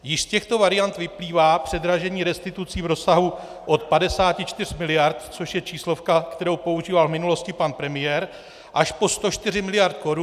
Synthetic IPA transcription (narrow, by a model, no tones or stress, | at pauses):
jɪʃscɛxt̪o̞vaɾɪjant̪vɪpliːvaːpr̝̥ɛd̪ɾaʒɛɲiːɾɛst̪ɪt̪ut͡siːvɾo̞saɦu | ʔo̞t̪padɛsaːcɪt͡ʃt̪ɪr̝̥mɪlɪjaɾt̪t͡soʃjɛt͡ʃiːslo̞fkakt̪ɛɾo̞wpo̞uʒiːvalvmɪnulo̞scɪpanpɾɛmɪjɛɾ | ʔaʃpo̞st̪o̞t͡ʃt̪ɪrɪmɪlɪjaɾt̪ko̞ɾu